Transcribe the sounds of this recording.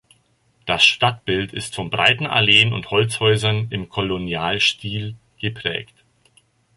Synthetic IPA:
d̥asʃtat̚b̥ɪltʰɪ̰stfɔnbʁa̰ɪtn̩ʔa̰leːənʊ̰nthɔlt͡shɔʏzɐnɪmkʰolonjaːlʃtiːl | ɡ̥əpʁ̥ɛ̰ːkt

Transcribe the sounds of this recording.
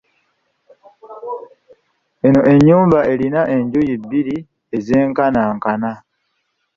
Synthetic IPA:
e̞no̞ʔe̞ɲːuːmbaʔe̞linaʔe̞ɲɟujibːiɾi | ezeːŋkanaːŋkana

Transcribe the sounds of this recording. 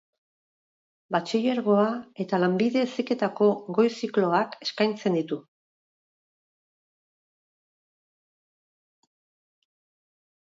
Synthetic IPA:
bat͡ʃije̞ɾɣo̞ae̞t̪alambiðe̞sike̞t̪ako̞ɣo̞jsiklo̞ake̞skajnt͡se̞nd̪it̪u

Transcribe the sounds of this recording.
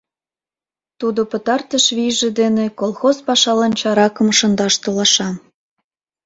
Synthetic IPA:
t̪ud̪opə̆t̪ɑrt̪əʃβiʒĕd̪enekolˠxozpɑʃɑlɑnt͡ɕɑɾɑkɤ̆mʃə̆nd̪ɑʃt̪olɑʃɑm

